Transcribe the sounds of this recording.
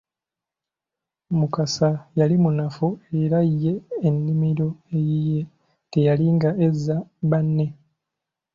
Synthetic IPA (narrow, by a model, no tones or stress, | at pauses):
mukasajalimunafue̞ɾajːe̞ːnːimiɾo̞ejije̞ | te̞jaliŋɡae̞zːaβanːe̞